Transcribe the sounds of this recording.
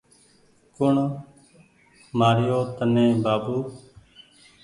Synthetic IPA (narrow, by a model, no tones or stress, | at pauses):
kʊɳ | maːɾjoːt̪ənẽːbaːbuː